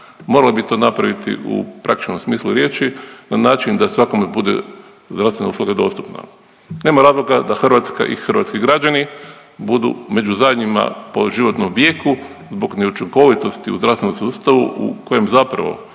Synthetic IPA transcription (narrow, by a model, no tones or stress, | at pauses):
mo̞ɾalibit̪o̞ːnapɾaʋit̪ḭʔṵpɾʔakt̪i̥t͡ʃnomsmiːslˠuɾje̞ːt͡ʃinanaːt͡ʃind̪asʋakomebud̪ḛ | zd̪ɾast̪ʋe̞nauslˠuɡad̪o̞̰st̪upna̰ | ne̞ːmaɾaːzlˠo̞ɡad̪axrʋat̪ska̰ʔḭxr̩ʋa̰t̪skiɡɾad͡ʒani | bud̪ṵme̞d͡ʒuzad̪ɲima̰po̞ʒiʋo̞t̪nomʋje̞ːku | zbo̞ɡneut͡ʃiŋko̞ʋit̪o̞st̪iṵzd̪ɾafst̪enomsuːst̪aʋuʔṵko̞je̞mzapɾa̰ʋo̞̰